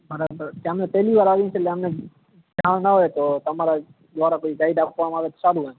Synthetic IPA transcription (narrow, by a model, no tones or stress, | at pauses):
məɾkãɦəmnẽpɛɦliːʋaːɾaːʋĩseleɦəmnẽ | d͡ʒʱãːɽnəɦoːet̪oːt̪əmaːɾa | d̪ʋaːɾakoːiɡaːɪɖaːp̚kaːmaːʋeːt̪o̥saːɾũɦə